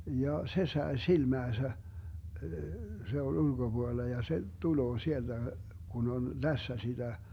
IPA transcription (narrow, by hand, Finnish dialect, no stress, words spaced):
jɑ se sɑe silmæːsæ se olʲ ulɡ̊ob̥uolːɑ jɑ se tuloː sield̥æ ɡ̊un on læsːæ sid̥æ